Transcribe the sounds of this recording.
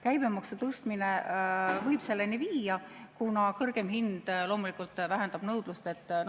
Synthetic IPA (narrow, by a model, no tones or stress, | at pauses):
kæjb̥e̞mɑksut̪ɤst̪minevɤjb̥se̞lːeniviːjɑkunɑkɤrɡ̥e̞mɦind̪̥lo̞ːmulikult̪ːˑvæɦend̪̥ɑb̥nɤwd̪̥lust̪e̞t̪ː